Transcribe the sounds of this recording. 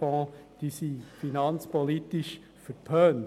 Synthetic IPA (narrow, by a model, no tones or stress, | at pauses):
ɑ̃ːd̥isifinɑnt͡spɔlitiʃ | fəɾpʰœːn